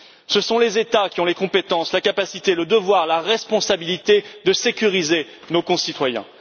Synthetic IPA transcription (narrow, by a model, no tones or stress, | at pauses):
səsɔ̃lezet̪akʲiɔ̃lekɔ̃pet̪ɑ̃slakapasit̪eləd̪əvwaʁlaʁɛspɔ̃sabilit̪ed̪əsekʲyʁize | nokɔ̃sit̪wajɛ̰̃